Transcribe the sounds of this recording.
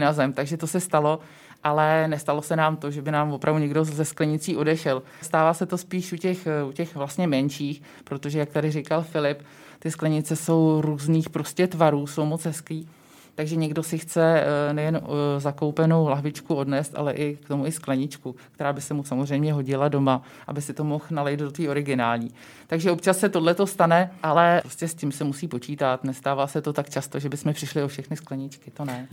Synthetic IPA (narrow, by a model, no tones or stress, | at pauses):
nazɛmt̪aɡʒɛt̪o̞sɛst̪alo̞ | ʔalɛnɛst̪alo̞sɛnaːmt̪o̞ʒɛbɪnaːmvopɾʔavduɲɛɡdo̞zɛsklɛɲɪt͡siːʔo̞dɛʃɛl | st̪aːvaːsɛt̪o̞spiːʃʔucɛxucɛxvlast̪ɲɛmɛnt͡ʃiːx | pɾo̞t̪oʒɛjakt̪adɪrikalfɪlɪp | t̪ɪsklɛɲɪt͡sɛso̞wɾuːzniːxpɾo̞scɛt̪vaɾuːso̞wmot͡sɦɛskliː | t̪aɡʒɛɲɛɡdo̞sɪxt͡sɛnɛjɛnzakowpɛno̞wlaɦvɪt͡ʃkuo̞dnɛːst̪ʔa̰lɛʔɪkt̪omuɪsklɛɲɪt͡ʃkuk̚t̪ɛɾaːbɪsɛmusamozrɛjmɲɛɦo̞ɟɪlado̞ma | ʔa̰bɪsɪt̪o̞mo̞xnalɛjt̪dot̪viːo̞ɾɪɡɪnaːlɲiː | t̪aɡʒɛopt͡ʃasːɛt̪o̞dlɛt̪o̞st̪anɛʔalɛɾoscɛscɪmsɛmusiːpo̞t͡ʃiːt̪at̪nɛst̪aːvaːsɛt̪o̞t̪akt͡ʃast̪oʒɛbɪsmɛpr̥ɪʃlɪofʃɛxnɪsklɛɲɪt͡ʃkɪt̪o̞nɛ